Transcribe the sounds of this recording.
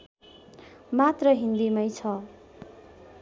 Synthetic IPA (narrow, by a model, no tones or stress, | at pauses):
mat̪rʌɦind̪imʌjt͡sʰʌ